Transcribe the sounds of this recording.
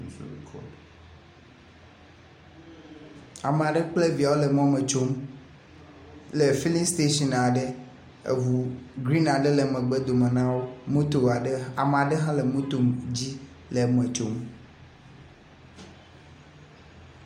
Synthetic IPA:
i˨kʰɔ̰˨d | a˨mẽ˨a˨ɖɛ˦k͡ple˦vi˨a˨wo˦le˨mɔ̃˦mẽ˨t͡ʃo˦m | le˨fi˦li˦st̪e˦ʃi˦˨na˨ɖe˦ | ḛ˨ɦu˨ɡɾi˦na˨ɖɛ˦le˨mɛ̃˨ɡ͡bɛ˦d̪o˨mẽ˨nã˦wo˦mũ˦t̪o˨a˨ɖe˦a˨me˨a˨ɖɛ˦ɦã˦le˨mũ˦t̪o˨md͡ʑi˦ | le˨mɛ̃˨t͡ʃo˦m

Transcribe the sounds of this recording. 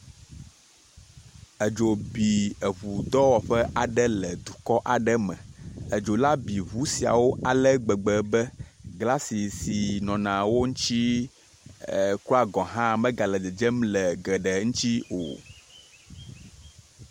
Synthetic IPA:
ə˨d͡ʒo˨bi˨ə˨βu˨d̪ɔ˦wɔ˨ɸɛ˦ʔa˨ɖɛ˦lɛ˨d̪u˨kɔ˦ʔa˨ɖə˦mɛ̰̃˨ə˨d͡ʒo˨la˦bi˨βu˨˦si˨a̰˨wo˦ʔa˨lɛ˦ɡ͡bɛ˨ɡ͡bɛ˨bɛ˦ɡla˦si˨si˨nɔ̃˨nã˨wo˦ŋũ˦t͡ʃi˦˨ | ku˦a˨ɡɔ̃˨ɦã˦mɛ̃˦ɡa˨lɛ˨dɛ˨d͡ʒə˦mlɛ˨ɡə˨ɖɛ˨ŋũ˦t͡ʃi˦o̰˨

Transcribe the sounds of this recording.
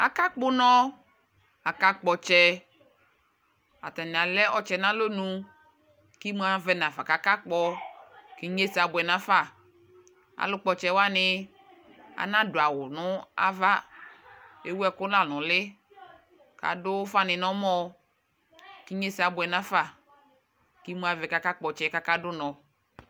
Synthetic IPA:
a̰˨ka˦k͡pʊ˦nɔ̃˦ | a˨ka˦k͡pɔ˨t͡ʃɛ˦ | a̰˨t̪a˨nĩ˨a˨lɛ˦ʔɔ˨t͡ʃɛ˨nã˦lo˦nũ˨ | ki˦m˦a˨vɛ˨nã˨fa˨ka˨ka˦k͡pɔ˧ki˦ɲe˦si˨a˨bʊ˨ɛ˨nã˦fa˦˨ | a̰˨lʊ˦k͡pɔ˨t͡ʃɛ˦wa˦nɪ˦ | a̰˨nã˦dʊ˨a˨wʊ˨nʊ̃˦a̰˦va˦ | e˦wu˦ɛ˦˨kʊ˦la˦˨lʊ̃˨lɪ˦ | ka̰˨dʊ˦fa˦nɪ̃˨nɔ˦mɔ˦ | ki˦ɲe˦si˨a˨bʊ˨ɛ˨nã˦fa˦˨ | ki˦mu˦a˨vɛ˨ka˦ka˦k͡pɔ˨t͡ʃɛ˦ka˦ka˦dʊ˦nɔ˨

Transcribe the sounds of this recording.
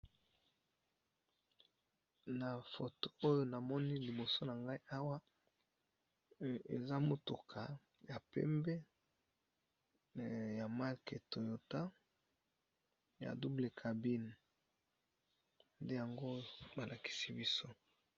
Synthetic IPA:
na˨fo˨to˦o˦jo˦na˨mɔ˦ni˦li˨bo˨so˦na˨ŋɡa˦i˦ʔa˦wa˦ | ḛ˨za˦mo˨tu˨kʰa˨ | ja˨pɛ̰˦mbɛ˦ | ja˨ma˦lke˨to˨jo˨ta˦ | ja̰˨du˦ble˨kʰa˨bi˦n˨ | nde˦ja˨ŋɡo˦˨ba˨lʔa˨ki̥˨si˦bi˦so˦

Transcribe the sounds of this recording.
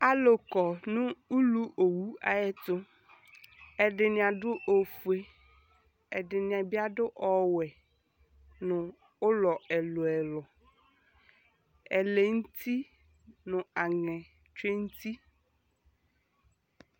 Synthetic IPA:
a˨lo˨kɔ˨nʊ̃˦u˦lu˦ʔo˨wu˦a̰˨jɛ˦t̪ʊ˦ | ɛ˨dɪ˨nɪ̃˨a˨ɖʊ˦ʔo˨fu˨e˨ | ɛ˨dɪ˨nɪ̃˨a˨bi˦a˦dʊ˦ʔɔ˦wɛ˨ | nʊ̃˨ | ʊ˦lɔ˨ɛ˨lʊ˨ɛ˨lɔ˨ | ɛ̰˨le˨ŋ̩˦t̪ʰi˦ | nʊ̃˨a˨ŋɛ̃˨ | t͡ʃe˦ŋ̩˦t̪i˦

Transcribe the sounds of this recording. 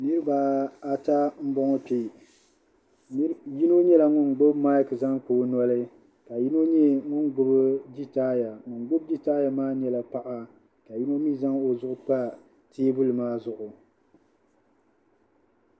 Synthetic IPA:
nɨ˦ɾɨ˦ba˨a˨ta˦m̩˦bɔ˦ŋɔ˦pi˦ | ji˦no˦ɲɛ˦la˨ŋʊ˦n˨ɡ͡bo˦bma˦jkza˦ŋk͡poː˨˦nɔ˦lɨ˦ | ka˨ji˦no˦ɲɛ˦ŋʊ˦nɡʊ˦bɨ˦d͡ʒi˦taː˦ja˨ŋʊ˨n˦ɡ͡bʊ˦b̚d͡ʒi˦taː˦ja˨maː˦ɲɛ˦la˨pa˦ʔa˦ | ka˨ji˦no˦mi˦za˦ŋo˨zʊ˦ʔʊ˦k͡pa˦ | tʰeː˦bʊ˦lɨ˨maː˦zʊ˦ʔʊ˨

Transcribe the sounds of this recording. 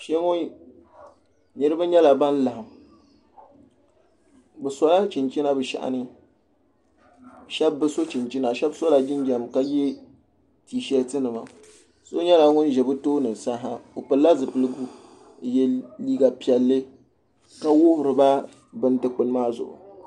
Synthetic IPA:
ʃe˦ŋʊ˦n | nɨ˦ɾɨ˦ba˦ɲɛ˦la˨ba˦n˦la˨ha˨m | bɨ˨sa˦la˦t͡ʃi˨nt͡ʃi˦na˦bɨ˨ʃa̰˨ʔa̰˨nɨ˦ | ʃɛ˦bːɨ˦so˦t͡ʃi˨nt͡ʃi˦na˨ʃɛ˦bso˦la˨d͡ʒɪ˦nd͡ʒɛ˨mka˦ji˦ | tiː˨ʃɛ˦ltɨ˦nɨ˨ma˨ | so˦ɲɛ˦la˨ŋʊ˦nʒɛ˨bɨ˦toː˦nɨ˨sa˦ɦa˦o˨pɨ˨la˦zɨ˨pɨ˨lɨ˦ɡu˦˨ | jɛ˦liː˦ɡa˨pi˨ɛ˨lːɨ˦ | ka˦wʊ˦hʊ˨ɾɨ˨ba˦ | bɨ˦n˦dɨ˨k͡pɨ˨lmaː˦zʊ̰˨ʔʊ̰˨

